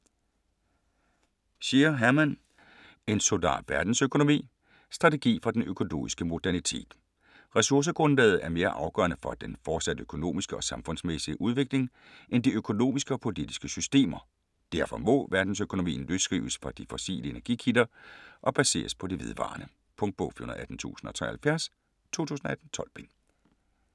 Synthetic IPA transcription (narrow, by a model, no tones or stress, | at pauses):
ɕeɐɦæɐmæn | e̝nsod̥ɑ̰̥̈ːʋæɐd̥n̩søkʰo̝no̝mḭː | sd̥ʁɑ̈t͡sʰe̝ɡ̥ḭːfɒ̽d̥enøkʰo̝no̝̰ːmisɡ̥əmo̝d̥æɐnit͡sʰe̝̰ːd̥ | ʁɛsuɐs̬əɡ̥ʁɔ̽nlɛːð̞̩ˠæɐme̝ːɐʔɑ̈ʊɡ̥œ̰ɐnəfɒ̽d̥enfɒːd̥sæd̥əøkʰo̝no̝̰ːmisɡ̥əɒ̽sɑ̈mfɔ̽nsmesiəʔuð̞ˠʋe̝ɡ̥le̝ŋ | ʔend̥iøkʰo̝no̝̰ːmisɡ̥əɒ̽pʰo̝lid̥isɡ̥əsysd̥e̝̰ːmɐ | d̥æɐfɒ̽mɔ̽ʋæɐd̥n̩søkʰo̝no̝mḭːn̩løsɡ̥ʁḭːʊsfɒ̽d̥ifɒ̽sḭːləe̝næɐɡ̥ḭːkʰid̥ɐʔɒ̽b̥æse̝̰ːɐspʰɒ̽d̥eʋe̝ð̞ˠʋɑ̰̈ːnə | pʰɔ̽ŋd̚b̥ɔ̰fihonð̩ˠæd̥n̩t͡sʰṵːsn̩ɒ̽t͡sʰʁɛ̰ɐhælfjæɐs | t͡sʰo̝̰ːt͡sʰṵːsn̩ɒ̽æd̥n̩t͡sʰɒ̽lb̥en